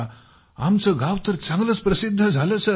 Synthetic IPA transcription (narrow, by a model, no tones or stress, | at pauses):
amt͡səɡawt̪əɾt͡sãŋɡləspɾəsid̪ʱːəd͡zʱaləsə